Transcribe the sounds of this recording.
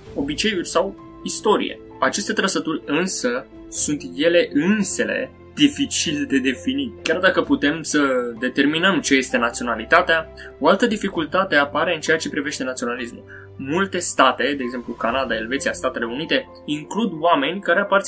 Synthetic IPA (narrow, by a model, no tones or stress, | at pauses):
o̞bit͡ʃe̞jurʲsaw | ist̪o̞ɾḭje̞̰ | at͡ʃe̞st̪et̪ɾəsət̪urʲɨnsə | sunt̪je̞le̞ʔɨnse̞le̞̰ | d̪̥ifit͡ʃild̪e̞d̪e̞finit̪kʲard̪akəput̪e̞msəd̪e̞t̪e̞rminəmt͡ʃe̞je̞st̪e̞nat̪sio̞nalit̪at̪ea | o̞alt̪əd̪ifikult̪at̪e̞apaɾe̞ɨnt͡ʃe̞jat͡ʃe̞pɾive̞ʃt̪e̞nat̪sio̞nalismṵl | mult̪e̞st̪at̪e̞d̪e̞ːɡze̞mplukanad̪ae̞lvet̪sijast̪at̪e̞le̞unit̪e̞ | iŋklud̪wame̞nʲkaɾe̞apart̪